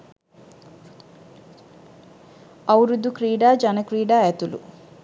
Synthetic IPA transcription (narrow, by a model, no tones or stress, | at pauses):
ɐwɾud̪ːukɾiːɖaːd͡ʒɐnɐkɾiːɖaːɛt̪ulṵ